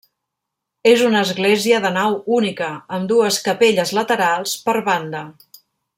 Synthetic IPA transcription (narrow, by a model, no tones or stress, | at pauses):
ezunəːzɣleziəðənawunikəːmd̪uəskəpeʎəzlət̪əɾalˠspəɾβand̪ə